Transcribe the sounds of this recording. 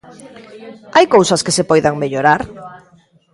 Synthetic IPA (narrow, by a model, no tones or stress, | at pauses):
ajkowsɐskesepɔjðaŋmeʎoɾaɾ